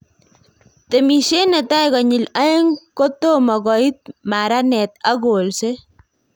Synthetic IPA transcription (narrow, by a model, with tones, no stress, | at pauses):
temi˨ʃe˦na˨ta˦jɣɔ˨ɲɪ˨la˦e˦ŋko˦tomɔ˨ɡɔi˦t̪̚ma˨ɾanɛ˨t̪a˦ɡolse˦